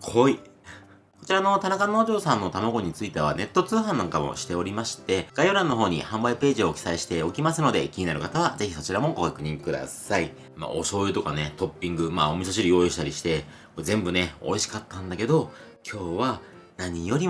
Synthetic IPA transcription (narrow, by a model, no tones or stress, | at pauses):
kʰoi | ko̞t͡ɕiɾano̞t̪anakano̞ːʑo̞ːsãnːo̞t̪amaɡo̞ɲ̟it͡sɨit̪e̞βa̰ne̞t̪ːo̞t͡sɨːɦãnːãŋkamo̞̰ɕi̥t̪e̞o̞ɾʲimaɕi̥t̪e̞ɡ̥ajoɾãnːo̞ɦo̞ːɲ̟ḭhãmbaipe̞ːʑio̞kʲi̥saiɕi̥t̪e̞o̞kʲimasɨno̞d̪e̞̰kʲiɲinaɾɯ̟kat̪aβ̞aze̞çiso̞t͡ɕiɾamo̞ɡokakɯ̟ɲ̟ikɯ̟d̪a̰sai | ma̰ʔo̞̰ɕo̞ːɯ̟t̪o̞kane̞t̪o̞pʲːĩŋɡɯ̟maːomʲisoɕ̬iɾijo̞ːjoɕit̪aɾʲiɕi̥t̪e̞ | koezẽ̞mbɯ̟ne̞o̞̰iɕi̥kat̪ːãnd̪ake̞d̪o̞ | kʲʰo̞ːβa | naɲ̟ijo̞ɾʲi